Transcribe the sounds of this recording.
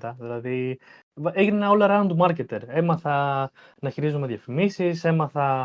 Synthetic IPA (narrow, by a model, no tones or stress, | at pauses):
t̪ɐðilɐði | eʝinenɐolɐɾɐɐnd̪umɐɾce̞t̪e̞ɾe̞mɐθɐ | nɐçiɾizumeðʝɐfimisise̞mɐθɐ